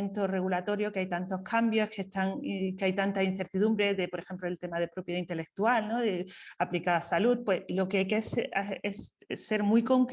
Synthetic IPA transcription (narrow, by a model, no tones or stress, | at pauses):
nt̪o̞re̞ɣulat̪o̞ɾjo̞kajt̪ant̪o̞hkʰambjo̞ske̞st̪aŋkeajt̪ant̪ain̟θe̞ɾt̪iðumbɾe̞ðe̞po̞ɾe̞xe̞mploelt̪e̞mað̞e̞pɾo̞pjðaint̪e̞le̞k̚t̪ualno̞ðeaplikasalut̪̚pwe̞slokeajkesaessːe̞ɾmujko̞ŋk